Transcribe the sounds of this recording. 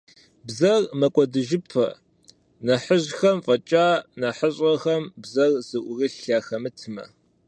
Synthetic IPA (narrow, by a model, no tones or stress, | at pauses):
bzɐrmɐkʷʼɔdɨʒɪpʰɐ̰ | nɐħəʑxɐmfʼɐt͡ʃʼaːnɐħəɕʼɐxɐmbzɐrz̥ɨʔʷʊrɨɬaːxɐmɨtʰɨmɐ̰